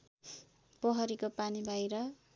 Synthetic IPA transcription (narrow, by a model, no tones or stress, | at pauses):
pʌɦʌɾikopanibʱʌjɾʌ